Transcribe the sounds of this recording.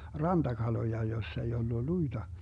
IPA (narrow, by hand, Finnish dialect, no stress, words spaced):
rɑntɑkɑlojɑ josː ei olːu luid̥ɑ